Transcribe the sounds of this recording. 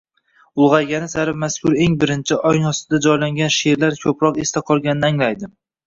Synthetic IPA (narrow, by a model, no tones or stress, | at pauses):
ʊlˠʁɑjɡʲanɪsaɾɪmaskʰʲʊɾe̞ŋbɪɾɪnt͡ʃʰɪʔɒjnɒst̪ɪd̪ad͡ʒɒjlaŋɡʲanʃe̞ɾlaɾkʲʰɵpɾɒqest̪ʰaqʰɒlˠɡʲanɪnaŋlajd̪ɪ